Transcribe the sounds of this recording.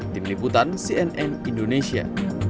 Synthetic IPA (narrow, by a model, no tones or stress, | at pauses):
t̪imliput̪ansiɛnʔɛnindonesia̰